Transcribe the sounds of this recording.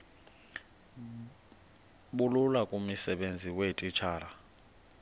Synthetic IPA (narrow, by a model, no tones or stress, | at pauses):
ɓululakʼumisɛɓend͡zʱiwetʼit͡ʃʰaːla